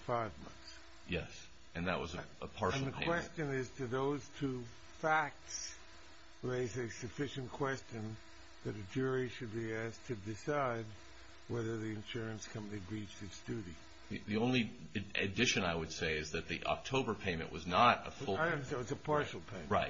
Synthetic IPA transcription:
faɪvmʌ̰̃nθs | jɛ̰s | ɨ̃nðə̰ʔ̚wʌzɨəpʰɑɹʃn̩ðɨpʰkʰwɛst͡ʃɨ̃nɪz̥tʰɨðoʊz̥tʰʉ | fæk̚ts | ɹeɪzɨsɨfɪʃɨ̃n̩kʰw̥ɛst͡ʃɨ̃n | ðɨɾɨd͡ʒʊɹiʃɨd̚biæstʰɨdɨsaɪd̚ | wɛðə˞ðiɨ̃nʃʊɹɨ̃nskʰʌ̃mpənibɹit͡ʃtɨtsd̥ʉɾi | ðiðiõʊ̃nli | ɨɨ̰dɪʃɨ̃naɪwɨd̥seɪɨzðɨt̪̚ðḭʔɑ̰k̚tʰoʊbə˞pʰẽɪ̃mɨ̰̃nʔwʌznəɾə̰fʊsɪwʌzɨpʰɑɹʃl̩ˠpʰẽɪ̃mɹaɪt̚

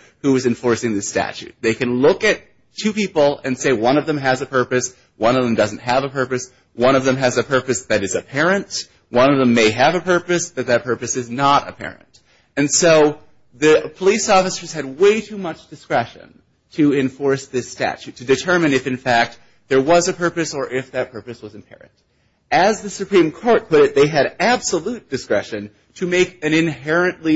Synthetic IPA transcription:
huɨzɨ̃ɱfɔɹsɪ̃ŋðɪstæ̰t͡ʃʉ̰t̪̚ðeɪkɨ̃nlʊkɨtʰ | ʉpipl̩ˠɨ̰̃nseɪwʌ̃nʌvðɨ̃mɨzɨpʰɜ˞pɨs | wʌ̃ñʌvðə̃m̩dʌzn̩t̚ɦɨvəpʰɜ˞pɨs | wʌ̃ɾ̃ʌvðɨ̃mɨzɨpʰɜ˞pɨsðɨɾɨzɨpʰɛɹɨ̃nt | wʌ̃nʌvðə̃mːeɪɨvɨpʰɜ˞pɨsb̥ʌt̪̚ðɨt̚pʰɜ˞pɨsɨznəɾɨ̰pʰɛ̰ɹɨ̰̃nt | ɨ̃nsoʊ | ðɨpʰəlisɔfɨsə˞z̥ɨd̚weɪtʰʉmʌt͡ʃd̥ɨskɹɛʃɨ̰̃n | tʰɨɪ̃ɱfɔɹsðɪstæ̰t͡ʃʉtʰɨdɨtʰɜ˞mɨ̃nɨfɨ̃nfæk̚t̪̚ | ðə˞wʌzɨpʰɜ˞pɨsə˞ʔɪfðɨt̚pʰɜ˞pɨswʌzɨ̃mpʰɛ̰ɹɨ̰̃nt | ɨzðɨsɨpʰɹ̥ĩmkʰɔɹt̚pʰʊɾɨt̪̚ðeɪɨɾæb̥səlut̚d̥ɨskɹɛʃɨ̃n | tʰɨmeɪkɨ̃nɨ̃nɦɛɹɨ̃nʔli

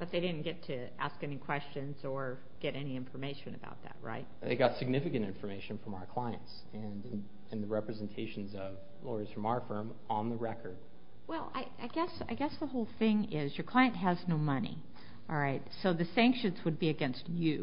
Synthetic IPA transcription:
b̥ʌt̪̚ðeɪɾɪdⁿn̩ɡ̥ɛtʰɨ | æ̰skɛnikʰw̥ɛst͡ʃɨ̃nz̥ə˞ | ɡ̥ɛɾɛniɪ̃ɱfə˞meɪʃɨ̃nɨ̰ba̰ʊt̪̚ðæ̰t̚ɹa̰ɪt̚ðḛɪɡɑtsɨɡ̚nɪfɨkɨ̃ntɪ̃ɱfə˞meɪʃɨ̃nfɹʌ̃maʊə˞kʰl̥aɪɨ̰̃nts | ɨ̃nn | ɨ̃nðɨɹɛpɹɨzɛ̃n̩tʰeɪʃn̩zʌv | lɔɹɨz̥fɹʌ̃maəfɜ̃˞m | ə̃nðəɹɛkʰə˞d̥̚ | wɛlˠa̰ɪa̰ɪɡɛsa̰ɪɡɛsðəhoʊlˠθɪ̃ŋɪzjə˞kʰl̥aɪɨ̃nʔ̚ɦəznoʊmʌnḭ | ʔɑlˠɹaɪtsoʊðɨsæ̃ŋkʃɨ̃nzwəd̚biɨɡɛ̃nstʉ

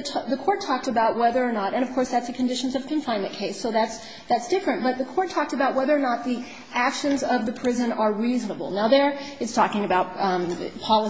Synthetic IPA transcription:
tʰðɨkʰɔɹtʰɔk̚tɨbaʊt̚wɛðə˞ːnəɾɨ̃ɾ̃ʌv̥kʰɔɹsðætsɨkʰɨ̃ndɪʃn̩zʌv̥kʰɨ̃ɱfãɪ̃nmɨ̃nkʰeɪsoʊðæts | ðætsd̥ɪfɹɨ̃ntb̥ʌt̪̚ðɨkʰɔɹtʰɔk̚tɨbaʊt̚wɛðə˞ənət̪̚ði | ækʃɨ̃nzʌvðɨpʰɹ̥ɪzɨ̃nə˞ɹiznəbl̩ˠnaʊðə˞ɨtstʰɔkɪ̃ŋɨbaʊt̚pʰɑlˠə

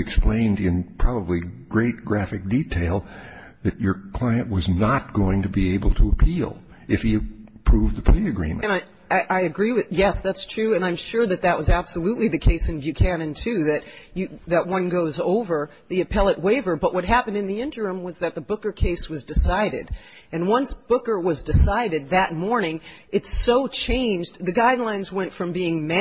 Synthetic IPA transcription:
ɨksplẽɪ̃ndɪ̃npʰɹ̥ɑbəbliɡ̥ɹeɪt̚ɡ̥ɹæfɨk̚d̥itʰeɪlˠ | ðɨt͡ʃə˞kʰl̥aɪɨ̃nʔwʌznət̚ɡ̥oʊɪ̃ŋtɨbieɪbl̩ˠtʰəəpʰilˠ | ɨfhiɨpʰɹ̥uvðəpʰl̥iɨɡɹḭ̃mɨ̰̃ɨ̃naɪ | aɪʔaɪɨɡɹiwɨjɛsðætstʰɹ̥ʉɨ̃nãɪ̃mʃʊɹðɨt̪̚ðɨt̚wʌzæb̥səlutˡliðɨkʰeɪsɨ̃nbjɨkʰæ̃nɨ̃ntʰʉðɨtɨðɨt̚wʌ̃nɡoʊzoʊvə˞ | ðiɨpʰɛlˠəʔ̚weɪvə˞bʌʔwʔʌt̚ɦæpn̩dɨ̃nðiɪ̃ntə˞ɹʉ̃mwʌzðɨt̪̚ðəbʊkə˞kʰeɪswʌzdɨsaɪɾɪ̰ɾ | ɨ̃nwʌ̃nsb̥ʊkə˞wʌzdɨsaɪɾɨd̪̚ðɨt̚mɔɹnɪ̃ŋɨtsoʊt͡ʃʰẽɪ̃nd͡ʒðɨɡaɪdˡlãɪ̃nzwɛ̃ntfɹʌ̃mbiɪ̃ŋmæ

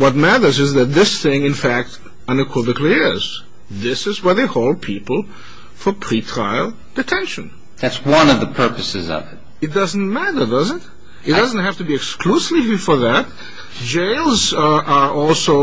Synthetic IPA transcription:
wʌt̚mæɾə˞zɨzðɨt̪̚ðɪsθɪ̃ŋɨ̃nfæk̚t | ʌ̃nɨkʰwɪvɨkʰliɪz̥ | ðɪsɨzwə˞ðeɪhoʊlˠd̚pʰipl̩ˠ | fə˞pʰɹ̥itʰɹ̥aɪlˠ | d̥ɨtʰɛ̃nʃɨ̃n | ðætswʌ̃nʌvðəpʰɜ˞pɨsɨzʌ̰vɨt̚ɨt̚d̥ʌzn̩mæɾə˞dʌzɨ̃t | ɨt̚d̥ʌzn̩t̚hæftɨbiɨkskʰlusifə˞ðæt̚ | d͡ʒeɪlˠzʔəʔɔlˠsoʊ

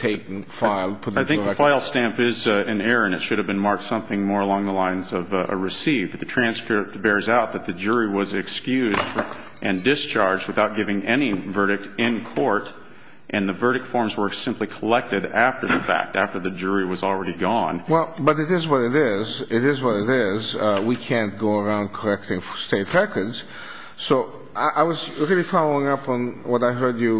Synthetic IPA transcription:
tʰeɪkŋ̩fɪlˠpʰʊɾaɪθɪ̃faɪlˠstæ̃mpɪzɨ̃nɛɹɨ̃nɨtʃʊɾɨvbɨ̃nmɑɹk̚tsʌ̃mθɪ̃ŋmɔɹəlɔ̃ŋðəlãɪ̃nzʌvɨ̰ɹɨsivdðɨtʰɹ̥æ̃nskɹɪp̚t̚b̥ɛɹzaʊt̪̚ðɨt̪̚ðɨd͡ʒʊɹiwʌzɨkskjʉzd | ʔɨ̃ndɪst͡ʃʰɑɹd͡ʒd̚wɨθaʊt̚ɡ̥ɪvɪ̃ŋɛnivɜ˞ɾɨk̚tɪ̃nkʰɔɹɾ | ʔɨ̃nðɨvɜ˞ɾɨk̚tfɔɹmzwə˞sɪ̃mplikʰəlɛk̚tɨɾæftə˞ðəfæ̰k̚tæftə˞ðɨd͡ʒʊɹiwʌzl̩ˠɹɛɾiɡɔ̃nwɛlˠbʌɾɨɾɪzwʌɾɨɾɪzɪɾɪzwʌɾɨɾɪzwikʰæ̃nt̚ɡ̥oʊə˞ãʊ̃nd̚kʰə˞ɛk̚tɪ̃ŋfsteɪt̚ɹɛkʰə˞dz̥ | soʊ | ʔaɪʔaɪwʌzɹɪlˠifalˠoɪ̃ŋʌpn̩wʌɾaɪɦɜ˞dɨ

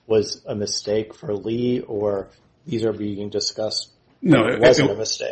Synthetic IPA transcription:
wʌzəmɨsteɪkfə˞liə˞ | ðizə˞biɪ̃ŋdɨskʌst̚ | noʊwʌz̃nəmɨsteɪ

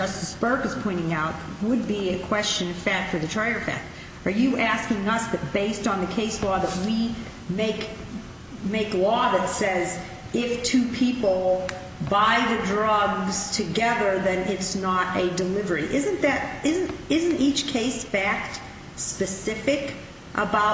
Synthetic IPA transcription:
ʌstɨsbɜ˞kɨz̥pʰɔ̃ɪ̃ɾ̃ɪ̃ŋaʊt̚wəd̚biɨkʰw̥ɛst͡ʃɨ̃nʌ̥fæk̚tfə˞ðɨtʰɹ̥eɪə˞fæ̰k̚t̚ | ə˞jɨʔæskɪ̃ŋʌsðɨt̚b̥eɪstn̩ðɨkʰeɪslɔðəʔ̚wi | meɪk | meɪklɔðɨtsɛz | ɪftʰʉpʰipl̩ˠ | baɪðɨdɹʌɡz̥tʰɨɡɛðə˞ðɨ̃nɪtsnəɾɨdɨlɪvə˞iʔɪzɨ̃nðɨɾɪz̃n̩tɪzɨ̃ntit͡ʃkʰeɪsfæk̚t | spɨsɪfɪk | ʔə̰baʊ

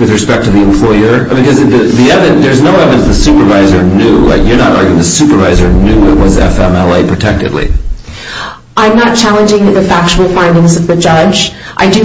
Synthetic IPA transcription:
wɨðɹɨspɛk̚tʰɨðiɨ̃mpʰl̥ɔɪə˞ | bɨkʌzðɨðiɛvɨ̃nðə˞znoʊɛvɨ̃nðɨsʉpə˞vaɪzə˞nʉla̰ɪkjə˞nəɾɑ̰ɹɡjʉɪ̃ŋðɨsʉpə˞vaɪzə˞nʉɪʔ̚wʌzɛ̰fɛ̃mɛlˠeɪpʰɹ̥ɨtʰɛk̚tɨ̰dˡlḭ | ʔãɪ̃mnət̚t͡ʃʰælˠə̃nd͡ʒɪ̃ŋɨt̪̚ðɨfæk̚t͡ʃul̩ˠfãɪ̃ndɪ̃ŋzʌvðɨd͡ʒʌd͡ʒ | ʔaɪdɨ

